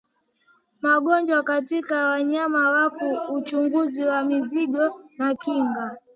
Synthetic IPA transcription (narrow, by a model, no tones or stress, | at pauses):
maɠɔnd͡ʒwakatikawaɲamawakuːt͡ʃuŋɡuziwamiziɡɔnakiŋɡa